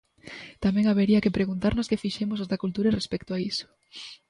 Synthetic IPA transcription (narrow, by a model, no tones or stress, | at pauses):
t̪amɛ̃ŋaβeɾiɐkepɾeɣunt̪aɾnoskefiʃemosozðakult̪uɾerespɛkt̪oaisʊ̥